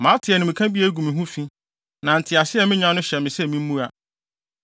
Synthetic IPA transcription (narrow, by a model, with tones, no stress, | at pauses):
mã˨˦tʰɪ˨ɛ˨nɪ̃˨mĩ˨kʰã˦bi˦e˦ɡu˨mĩ˨ɦũ˦fĩ˦ | nã˨n̩˨tʰɪ˨a˨sɪ˦ɛ˨mɪ̃˦ɲã˦nʊ̃˦ɕɛ˨mɪ̃˨sɛ˦mĩ˦m̩˦ũ˦a˨